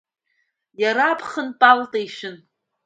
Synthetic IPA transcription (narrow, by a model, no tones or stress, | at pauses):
jaɾaːpʰχənpʼaltʼejʃɪn